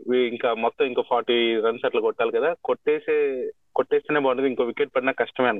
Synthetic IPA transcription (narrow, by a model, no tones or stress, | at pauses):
iiŋkaːmɔt̪ːɐ̃iŋkoːpʰaːɾʈiːɾɐnsɐʈlɐkɔʈːaːlikɐd̪aːkoʈːeːse | koʈːeːst̪eːneːbaːned̪iŋkoːʋikeʈ̚pɐɽinakɐʂʈɐmeːɐn